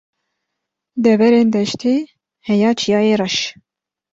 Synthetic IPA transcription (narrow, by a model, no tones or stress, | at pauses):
d̪ɛvɛɾeːnd̪ɛʃt̪ʰeː | hɛjɑːt͡ʃʰijɑːeːrɑʃ